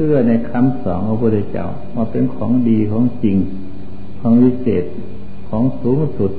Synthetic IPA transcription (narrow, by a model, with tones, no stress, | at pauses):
sɯ˧˩ɐna˧˩jkʰa˧˥˨msɔ̰ː˨˦ŋkʰa˧˩pʰu˧˩t̪ʰe˧˩t͡ɕa̰˧˩˨w | maː˧˩pe˧˨nkʰɔː˩˦ŋdiː˨˩kʰɔː˨˩˦ŋt͡ɕi˨ŋ | kʰɔː˨˦ŋwiː˧˥seː˨˩t̪̚ | kʰɔː˨˩˦ŋsuː˨˦ŋ˧su˨˧˩t̪̚